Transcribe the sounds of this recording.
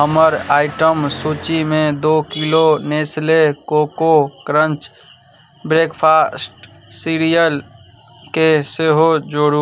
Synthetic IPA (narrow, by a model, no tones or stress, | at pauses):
ɦəməɾaːɪʈəmsuːt͡ʃimẽd̪oːkiloneːslekoːkokɾə̃nt͡ʃ | bɾeːkpʰaːsʈ | siɾijəl | keseɦod͡ʒoɽu